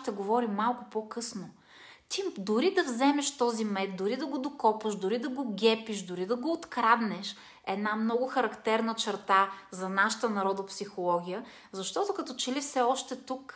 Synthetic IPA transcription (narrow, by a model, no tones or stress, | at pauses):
t̪ɛɡovɔɾimːalˠkʊpokɤsno | t̪id̪ʊɾid̪ɐvzɛmɛʃt̪ɔzimɛt̪̚d̪ʊɾid̪ɐɡod̪okɔpɐʃd̪ʊɾid̪ɐɡoɡʲɛpiʃd̪ʊɾid̪ɐɡoːt̪kɾad̪nɛʃ | ɛd̪namnɔɡʊxɐɾɐkt̪ɛɾnət͡ʃɛɾt̪azɐnaʃə̥t̪ənɐɾɔd̪ɐpsixolˠɔɡʲijə | zɐʃt̪ɔt̪okɐt̪ɔt͡ʃɛlifsɛɔʃt̪ɛt̪uk